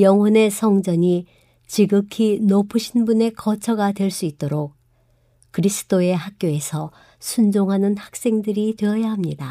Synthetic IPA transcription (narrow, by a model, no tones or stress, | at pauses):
jʌŋɦwʌne̞sʰʌŋd͡ʑʌɲi | t͡ɕiɡɯkʰinopʰuɕʰinbune̞kʌt͡ɕʰʌɡadwe̞ɭs͈uit̚t͈oɾok̚ | kɯɾisʰɯ̥t͈oe̞ɦak̚k͈joe̞sʰʌ | sʰund͡ʑoŋɦanɯnhḁk̚s͈e̞ŋdɯɾitwe̞ʌjaɦamɲida